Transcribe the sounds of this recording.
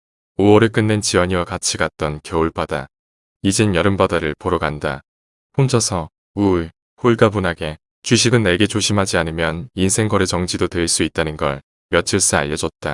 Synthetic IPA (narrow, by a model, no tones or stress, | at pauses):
owʌɾek͈ɯnːent͡ɕiwʌɲiwakat͡ɕʰiɡat̚t͈ʌnkjʌuɭp͈ada̰ | id͡ʑinjʌɾɯmbadaɾɯɭpoɾʌɡanda | ɸond͡ʑʰʌsʰʌ | u | huɭɡabunaɡe̞ | t͡ɕɥiɕʰiɡɯnːe̞ɡe̞t͡ɕoɕʰimɦad͡ʑianɯmjʌninsʰe̞ŋɡʌɾet͡ɕʌŋd͡ʑidotwe̞ɭs͈uit̚t͈anɯnɡʌ̰ɭ | mjʌt͡ɕʰiɭs͈aa̰ʎːʌd͡ʑʌt̚t͈a